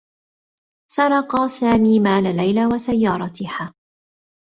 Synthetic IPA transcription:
sɑɾˤɑqɑsaːmiːmaːlalajlawasajːɑːɾˤɑt̪ɪhaː

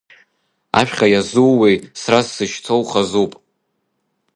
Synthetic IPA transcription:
a̰ʃᶣχʲajazuwejsrazːɨʃt͡sʰowχazupʼ

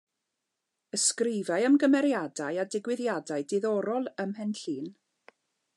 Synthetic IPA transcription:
əskrɪvajəmɡəmɛɾjadajadɪɡwɪðjadaɨdɪðɔɾɔlˠəmhɛnɬiːn

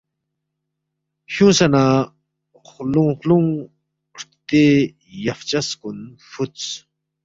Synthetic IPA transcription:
ɕusana | χlʊŋχlʊŋ | ɾt̪e | jaft͡ɕaskʊnfʊt͡s

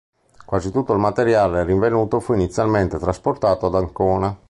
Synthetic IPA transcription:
kwaːzit̪ut̪ːoilmat̪eɾjaːleriɱvenuːt̪ofuinit̪sjalment̪et̪ɾasport̪aːt̪oad̪aŋkɔːna

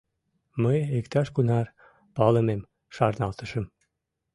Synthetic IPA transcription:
məjekt̪ɑʃkunɑr | pɑlə̆mem | ʃɑrnɑlt̪ə̆ʃə̆m

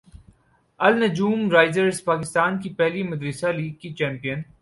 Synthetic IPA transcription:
ɐlnɐd͡ʒuːmɾaːɪzəɾzpaːkɪst̪aːnkipɛɦlimɐd̪ɾisaliːɡ̚kit͡ʃɛ̃ːmpijən

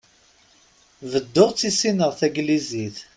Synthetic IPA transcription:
vəd̪ːʊʁt͡sːisinəʁθæɡliziθ

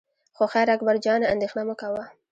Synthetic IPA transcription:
xoxajɾakbaɾd͡ʒɑnaand̪exnaməkawa

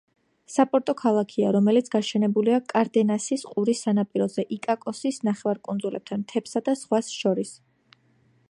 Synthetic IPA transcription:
sapʼɔɾt̪ʼɔkʰalˠakʰiaɾɔmɛlit̪sʰɡ̥aʃɛnɛbuliakʼaɾd̪ɛnasisqʼuɾisːanapʼiɾɔzɛʔikʼakʼɔsisnaχɛvaɾkʼund̪zulɛp̚t̪ʰant̪ʰɛpsad̪asʁwasʃɔɾis

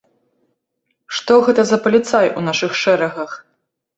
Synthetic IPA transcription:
ʂt̪ɔɣɛt̪ɐzɐpɐlʲit̪sajʔunaʂɨxʂɛɾɐɣɐx

